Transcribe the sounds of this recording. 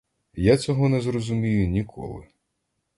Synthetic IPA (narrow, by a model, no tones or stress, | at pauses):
jat͡sʲɔɦɔnɛzrɔzʊmʲijʊnʲikʰɔ̰lˠɪ̰